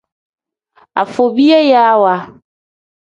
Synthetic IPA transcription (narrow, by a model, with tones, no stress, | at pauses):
a̰˨fo˨bi˦e˦ja˦wa˦